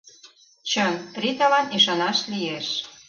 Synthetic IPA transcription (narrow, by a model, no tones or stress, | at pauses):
t͡ɕənt̪rit̪ɑlɑniʃɑnɑʃlijeʃ